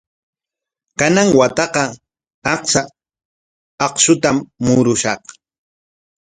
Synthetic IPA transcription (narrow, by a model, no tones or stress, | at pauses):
kanaŋwat̪ɑqɑ | ɑqsa | ɑqʃʊt̪amːʊɾʊʃɑq